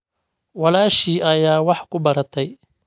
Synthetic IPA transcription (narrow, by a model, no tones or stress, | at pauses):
wɑlaːʃiːʔɐjaːwɑħkʰʊbɐɾɐt̪ʰɛj